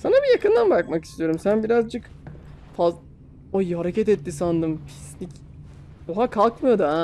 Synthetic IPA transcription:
sanabijakɯnd̪anbak̚maki̥st̪ʰijo̞ɾumsænbiɾazd͡ʒɯk | faz | ojhaɾecɛt̪ɛt̪ːisand̪ɯmpʰi̥snic | oɦakʰalˠkmɯjo̞d̪u

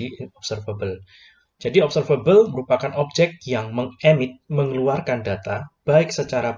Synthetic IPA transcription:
iɪnɔp̚sərfəbəl | d͡ʒadiɔpsərfəbəlməɾupakanʔɔp̚d͡ʒɛk̚t̪̚jaŋməŋɛmɪt̪̚məŋəluarkandat̪ab̥aɪk̚sət͡ʃaɾa

